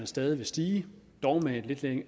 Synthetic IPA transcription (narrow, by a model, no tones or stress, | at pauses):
ænsd̥ɛːð̞ˠiʋe̝sd̥iːd̥ɒʊmed̥le̝d̥leŋ